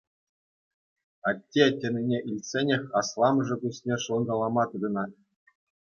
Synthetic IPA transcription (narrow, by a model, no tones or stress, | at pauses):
ɑt̪ʲːetʲĕnʲinʲeʔilʲtsʲenʲexʲɑslˠɑmɤʐɤ̆kusʲnʲeʂɤ̆nɡ̪ɑlˠɑmɑt̪ɯd̪ɤ̆nɑt̪̚ʲ